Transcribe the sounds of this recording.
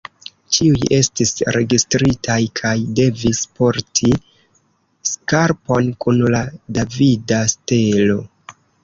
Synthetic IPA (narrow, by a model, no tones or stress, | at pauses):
t͡ʃiuje̞stisɾe̞ɡistɾitʰajkʰajde̞vispo̞ɾtʰi | skaɾpo̞nkunladavidaste̞lo̞